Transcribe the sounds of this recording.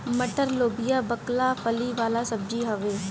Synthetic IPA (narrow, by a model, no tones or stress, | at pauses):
məʈəɾloːbijaːbəklapʰəliʋaːlasəb̚d͡ʒiɦɐʋeː